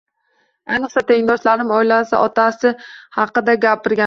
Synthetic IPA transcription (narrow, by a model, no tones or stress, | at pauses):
anɨqsat̪ʰeɪŋd̪ɒʃlaɾɪmɒjlasa̰ʔɒt̪ʰasɪhɑqːɨd̪aɡʲapʰɪɾɡʲa